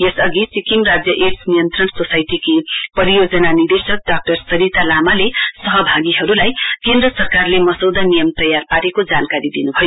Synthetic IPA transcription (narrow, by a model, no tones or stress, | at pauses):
jesʌɡit͡sikiŋrad͡zjʌʔeʈsnijʌnt̪rʌnsosajʈikipʌɾijod͡zʌnanird̪esʌk̚ɖak̚ʈʌrsʌɾit̪alamalesʌɦʌbʱaɡiɦʌɾulajkend̪rʌsʌrkarlemʌsʌwd̪anijʌmt̪ʌjarpaɾekod͡zankaɾid̪inubʱʌjo